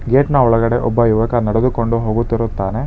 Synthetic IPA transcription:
ɡeːʈnɐɔɭɐɡɐɽe̞ʔɔbːɐjuʋɐkɐnɐɽed̪ukoɳɖuɦoːɡut̪ːiɾut̪ːaːne̞

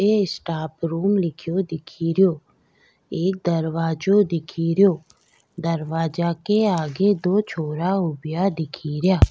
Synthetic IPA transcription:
eɪsʈaːpɾuːmlɪkʰjod̪ɪkʰiɾjoː | eːk̚d̪əɾʋaːd͡ʒod̪ɪkʰiɾjoː | d̪əɾʋaːd͡ʒakeaːɡed̪oːt͡ʃʰoːɾaʊbɪjad̪ɪkʰiɾjaː

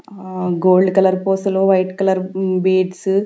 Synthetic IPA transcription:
ɡoːlɖkɐlɐɾpoːsloːʋɐjʈkɐlɐɾbiːɖs

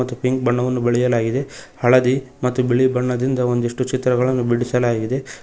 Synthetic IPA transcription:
ɐt̪ːupiŋk̚bɐɳːɐʋɐnːubeɭijɐlaːɡid̪e̞hɐɭɐd̪imɐt̪ːubiɭibɐɳːɐd̪ind̪ɐo̞nd̪iʂʈut͡ʃit̪ɾɐɡɐɭɐnːubiɽisɐlaːɡid̪e̞

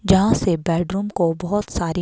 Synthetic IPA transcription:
d͡ʒɐɦãsebɛːɖɾuːmkobɐɦʊt̪saːɾi

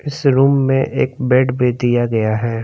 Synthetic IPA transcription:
ɪsɾuːmːḛ̃ʔḛːk̚beːɖbid̪ijaɡɐjaɦɛː

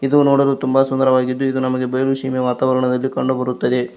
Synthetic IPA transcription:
id̪unoːɽɐd̪ut̪umbɐsund̪ɐɾɐʋaːɡid̪ːuid̪unɐmɐɡe̞bɐjɐluʂiːmeʋaːt̪aːʋɐɾɐɳɐd̪ɐlːikɐɳɖubɐɾut̪ːɐd̪e̞

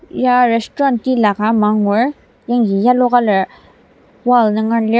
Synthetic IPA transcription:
jaɹestɹɑnt̪ilakamɑŋŋoɹ | jaŋkijalokala | walnaŋale

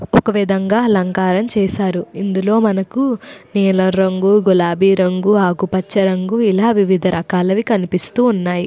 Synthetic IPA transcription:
ɔkɐʋid̪ʱɐŋɡaːlɐŋkaːɾɐmt͡ʃɛːʃaːɾuind̪ulo̞ːmɐnɐkuniːlɐɾɐŋɡuɡulaːbʱiːɾɐŋɡuaːɡupɐt͡ʃːɐɾɐŋɡuilaːʋiʋid̪ʱɐɾʔɐkaːlɐʋikɐnipist̪uːnːaːji

